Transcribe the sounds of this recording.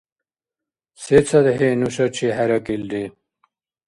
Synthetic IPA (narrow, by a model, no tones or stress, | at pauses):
set͡sʰɐd̪ɦenuɕɐt͡ɕʰiɦɐɾɐkild̪i